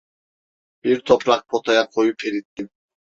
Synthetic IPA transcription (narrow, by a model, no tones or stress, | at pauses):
b̥iɾt̪ʰɔpɾɑq̚pʰot̪ʰajaqʰojupʰeɾit̪ːin